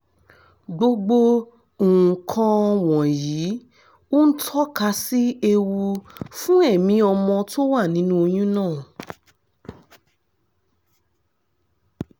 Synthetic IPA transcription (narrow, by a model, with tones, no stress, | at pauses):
ɡ͡bo˧ɡ͡bo˧ | ũ˨kʰã˧ɔ˧w̃ɔ̃˨jiː˨˦ | o˦n̩˦tʰɔ˦ka˧si˦e˧wu˧fũ˦ɛ˦˨mĩ˧˦ɔ˧mɔ̃˧to˦wa˦˨nĩ˨˦nũ˦o˧j̃ũ˦nãː˦˨